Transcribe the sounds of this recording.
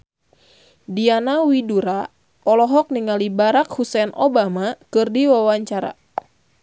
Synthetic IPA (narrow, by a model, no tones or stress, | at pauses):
dianawiduɾa | ɔlɔɦɔk̚niŋalibaɾakhusɛnɔbamakɨrdiwawaɲt͡ʃaɾa̰